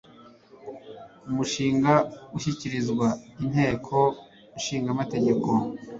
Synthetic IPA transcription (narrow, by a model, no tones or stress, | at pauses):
umuʃiːŋɡauçiciɾizɡwain̥he̞ːkʰo̞ | uʃiːŋɡamate̞ɟe̞ko̞